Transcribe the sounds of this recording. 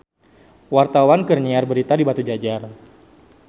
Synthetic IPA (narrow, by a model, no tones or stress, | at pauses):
wart̪awankərɲiarbəɾit̪adibat̪ud͡ʒad͡ʒar